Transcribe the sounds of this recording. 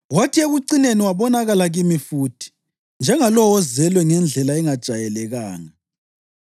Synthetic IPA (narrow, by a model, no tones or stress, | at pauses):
watʰieɣuǀineniwaβɔnaɣalaɣimifuːtʰi̥ | nd͡ʒʱɛŋalɔɔzɛlwɛŋɛnd͡ɮʱɛlaɛŋad̥ʒ̥ʱajɛlɛɣaːŋa